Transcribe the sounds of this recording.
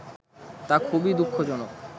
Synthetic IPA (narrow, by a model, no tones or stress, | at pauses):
t̪akʰubid̪ukʰːod͡ʑonok